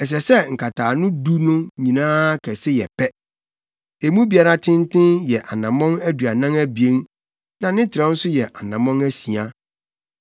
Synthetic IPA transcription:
ɛ˨s̬ɛ˨sɛ˦ŋ̩˨kʰa˨tʰaː˨nʊ̃˦du˦nʊ̃˦ɲĩ˨nãː˦kʰɛ˨sɪ˦jɛ̰˨pʰɛ˦ | e˨mũ˦bi˨a˨ɾa˦tʰɪ̃˦n˦tʰɪ̃˦njɛ˨ʔa˨nã˨mɔ̃˦næ˦dɥa˨nã˦næ˦bi˨ẽ˦n | nã˨nɪ̃˦tʰɪ˨ɾã˦n̩˦sʊ˦jɛ˨ʔa˨nã˨mɔ̃˦næ˦si˨a˦

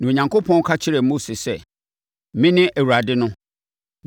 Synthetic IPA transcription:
nã˨o˨ɲã˨ŋkʰo˦pʰɔ̃˦n˦kʰa˦t͡ɕʰɪ˦ɾɛ˨mo˦si˨sɛ˦ | mɪ̃˦nɪ̃˦ʔæ˨wu˨ɾa˨dɪ˦nʊ̃˦

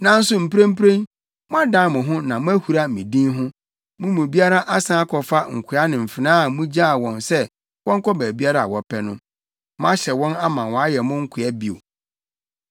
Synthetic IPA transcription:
nã˦n̩˦sʊ˨m̩˨pʰɾẽ˦m̩˦pɾẽ˦n | mʊ̃˦a˦dã˦˨mʊ̃˨ɦʊ̃˦nã˨mʊ̃˦æ˦hu˨ɾa˦mĩ˨dĩ˦nɦʊ̃˦ | mʊ̃˦mũ˨bi˦a˦ɾa˦ʔa˦sã˦a˦kʰɔ˨fa˦ŋ̩˨kʰʊ˨˦a˦nɪ̃˨m̩˨fɪ˨nãː˦˨mʊ̃˦d͡ʑa˦˨wɔ̃˨nsɛ˦ | wɔ̃˦ŋ̩˦kɔ˦bæː˨bi˦a˦ɾa˦a̰˨wɔ˨pʰɛ˦nʊ̃˦ | mʊ̃˦a˦ɕɛ˨wɔ̃˦na˦mã˨wɔ̃˨a˦jɛ˨mʊ̃˦ŋ̩˦kʰʊ˨a˦bi˨o̰˨

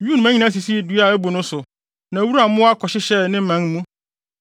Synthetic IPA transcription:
ju˦nʊ̃˨˦æ̃˦ɲĩ˨nã˦s̬i˨si˦du˨˦a˦˨æ˦bo˨nʊ̃˦sʊ˨ | nã˨wu˦ɾu˦a˨˦mʊ̃˦a˦kʰɔ˨ɕɪ˦ɕɛ˦nɪ̃˦m̩˦mã˦n˦mũ˦

